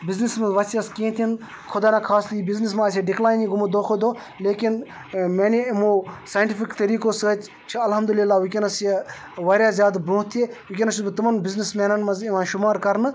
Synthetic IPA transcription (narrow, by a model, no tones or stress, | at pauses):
biznismɐzʋɐsiɐskĩːt̪ʰin | kʰʊd̪aːnãkʰaːsliibiznis̬mãːseɖɪklaːjniɡumɐd̪oːxʰod̪oː | leːkin | meːnimuːsaːjɳʈifikt̪ɐɾiːkoːsət͡ʃ | t͡ʃʰiɐlɦɐmd̪ulilːaːʋikʲenɐsje | ʋɐɾʲjaːzjaːd̪bɾũːɦt̪ʰeʋʊkʲenɐsubɨt̪ɐmɐnbiznismeːnɐnmɐziʋãːʃʊmaːɾkɐɾnɨ